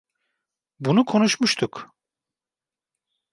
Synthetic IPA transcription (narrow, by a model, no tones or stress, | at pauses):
bunukʰo̞nuʃmuʃt̪ʰuk